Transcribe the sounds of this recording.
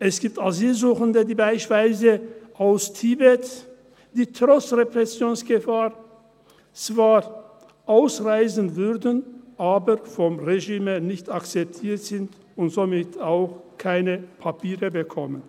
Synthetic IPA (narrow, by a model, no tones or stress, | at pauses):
ʔɛsɡ̥iːp̚taziːlzuːxəndədiːbaɪʃv̥aɪzəʔaʊstʰibɛt | d̥iːtʁ̥ɔt͡sʁepʁ̥ɛsjoːnsɡ̥əfaːʁ | t͡sv̥aːʁ | ʔaʊsʁaɪzən̩vʏʁdn̩ʔaːbəʁfɔmʁeʒiːmənɪçtakt͡sɛp̚tʰiːɐtz̥ɪnt | ʊntz̥omɪtʰaʊxkʰaɪnəpʰapʰiːʁəbəkʰɔmən